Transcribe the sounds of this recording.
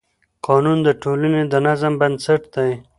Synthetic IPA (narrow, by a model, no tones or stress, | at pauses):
qɑnund̪əʈolaned̪ənazəmbansaʈd̪aj